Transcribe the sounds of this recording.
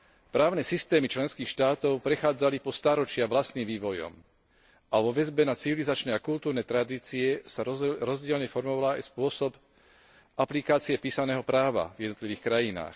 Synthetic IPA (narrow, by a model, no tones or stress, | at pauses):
pɾaːʊnɛsist̪ɛːmit͡ʃlɛnskiːxʃt̪aːt̪ɔʊpɾɛxaːd͡zalipɔst̪aːɾɔt͡ʃɪaʋlast̪niːmʋiːʋɔjɔ̰m | ʔaʋɔʋɛzbɛnat͡siʋilizat͡ʃnɛakult̪uːɾnɛt̪ɾad̪iːt͡siɛsaɾɔzɟɪɛlɲɛfɔɾmɔʋalaa̰jspʊɔsɔb | ʔaplikaːt͡siɛpiːsanɛːɦɔpɾaːʋa̰vjɛd̪nɔt̪liʋiːxkɾajina̰ːx